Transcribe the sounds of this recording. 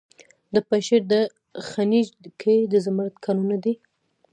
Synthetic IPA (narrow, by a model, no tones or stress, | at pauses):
d̪əpaʃeɾd̪ə | xanid͡ʒkʰed̪əzamaɾat̪kʰanunad̪i